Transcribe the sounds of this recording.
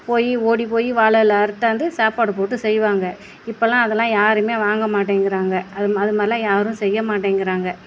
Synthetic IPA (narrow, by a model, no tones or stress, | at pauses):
poːjioːɽip̬oːjiʋaːɭɐlɐɐɾɯt̪ːaːnd̪ɯsaːpaːɽɯp̬oːʈːɯsɛjʋaːŋɡɐ | ɪpːɐlãːɐðɐlãːjaːɾɯmeːʋaːŋɡɐmaːʈ̬ːeːŋɡɪɾaːŋɡɐɐðɯɐðɯmaːdɾɪlãːjaːɾɯ̃sɛjːɐmaːʈ̬ːeːŋɡɪɾaːŋɡɐ